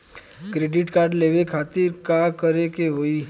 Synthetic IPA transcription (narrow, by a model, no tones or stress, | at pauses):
kɾeːɖɪʈkaːɾɖleːʋekʰaːt̪ɪɾkakəɾekeɦoiː